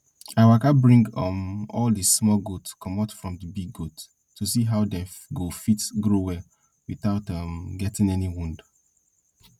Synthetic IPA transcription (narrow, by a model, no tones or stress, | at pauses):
aɪwakabɹĩŋɡʌmɔldismɔlɡotskʰɔmaʊtfɹɔ̃mdəbiɡːotːʰ | usiɦaʊdɛ | ɡofitɡɹowɛ | wiθaʊtʌmɡɛtĩŋɛniwũnd